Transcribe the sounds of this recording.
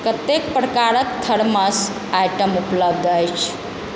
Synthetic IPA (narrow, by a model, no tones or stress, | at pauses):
kət̪ek̚pɾəkaɾətt̪ʰəɽməs | ajʈəmupləb̚d̪əjt͡ʃʰ